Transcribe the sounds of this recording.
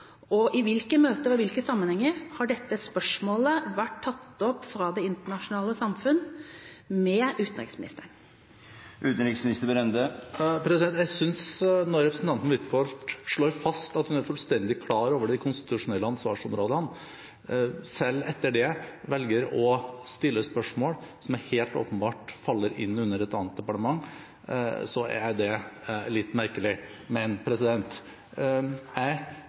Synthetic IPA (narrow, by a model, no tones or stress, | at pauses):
ɔʔɪʋɪlkəmøːt̪əɔʋɪlkəsɑmːənhɛŋːəɾhɑɖɛt̪ːəspœʂmoːləʋæʈt̪ʰːɑt̪ːɔpːfɾɑːd̪ɛɪnt̪əɳɑʂʊnɑːləsɑmfʉnː | mɛʉːt̪ənɾɪ̰ksmɪnɪst̪əɳ | ʉːt̪n̩ɾɪksmɪnɪst̪əɾbəɾɛnd̪əpʰɾɛsɪd̪ɛnt̪jæsʏnsnɔɾɛpɾsn̩t̪ɑnt̪n̩ʋɪt̪fɔɾʈ̪ʂɭoːɾfɑst̪ɑt̪hʉnæɾfʉlst̪ɛnd̪ɪkʰlɑːɾoːʋəɖɪkʰʊnst̪ɪ̥t̪ʉʂʊnɛlːəɑnsʋɑːʂɔmɾoːd̪əhɑn | sɛlːɛt̪ːəɖɛʋɛlɡəɾɔst̪ɪlːəspœʂmoːɽsɔmæɾheːlt̪o̰ːpənbɑːʈfɑlːəɾɪ̰nːʉnːəɾɛt̪ɑːnət̪̚d̪ɛpɑʈəmɑŋː | sɔæ̰æd̪ɛlɪt̪ːmæɾkəlɪ | mɛnpʰɾɛsɪd̪ɛnt̪ | æɪ